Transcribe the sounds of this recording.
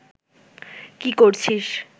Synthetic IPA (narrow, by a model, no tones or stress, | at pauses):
kikoɾt͡ɕʰiʃ